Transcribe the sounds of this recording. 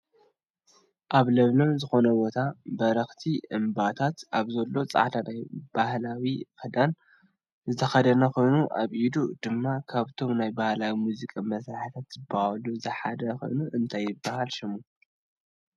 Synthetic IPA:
ʔaβlɐβlɐmzɨxo̞nɐbo̞t̪ʰabɐɾɐxt̪ʰiʔɨmbat̪ʰat̪ʔaβzɐlːo̞t͡sʼa̰ʕt̪ʰanajb̥ahlawikɨd̪an | zɨt̪ʰɐxɐd̪ɐnɐxo̞jnuʔaβʔid̪ud̪̥ɨmːakʰaβt̪ʰo̞mnajbahlawimuzikʼamɐsɾaħɨt̪ʰat̪z̥ɨbːahaluzɨħad̪ɐxo̞̰jnuʔɨnt̪ʰajːɪbːahalʃɪmu

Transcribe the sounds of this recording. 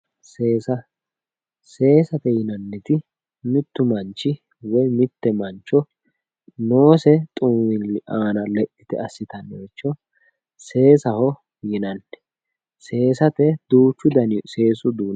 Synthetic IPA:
seːsɐ | se̞ːsɐt̪ɛjɪnɐnːɛt̪ɪ | mɪt̪ːʊmɐnt͡ʃːɪ | wɔjmɪt̪ːɛmɐnt͡ʃːɔ | no̞ːsɛt̪ʼuːwɪlɪʔaːnɐlɛʔɪt̪ɛ̰ɐsːɪt̪ɐnːeɛt͡ʃːɔ | se̞ːsɐhɔ | jɪnɐnːɛ̥ | se̞ːsɐt̪ɛd̪̥uːt͡ʃːʊd̪ɐnse̞ːsʊd̪uːn

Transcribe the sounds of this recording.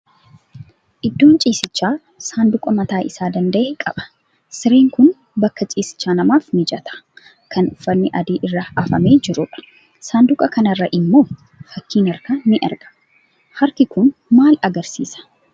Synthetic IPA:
ʔɪd̪ːo̞ːnt͡ʃʼiːsɪt͡ʃːaː | saːnd̪ʊkʼɐmɐt̪aːʔɪsaːd̪ɐnd̪ɐʔeːkʼɐ̰ɓɐ̥ | sɪɾe̞ːŋkʊn | bɐkːɐt͡ʃʼiːsɪ̥t͡ʃːaːnɐmaːfnɪd͡ʒɐt̪ʰɐ̥ | kʰɐnʊfːɐnːɪʔɐd̪iːʔɪrːɐɐfɐmeːd͡ʒɪɾʊᶑɐ̥ | saːnd̪ʊkʼɐkɐnɐrːɐʔɪmːo̞ː | fɐkːiːnɐɾkɐnɪʔɐ̰ɾɡɐ̥ | hɐɾkɪkʊnmaːlɐɡɐɾsiːsɐ̥

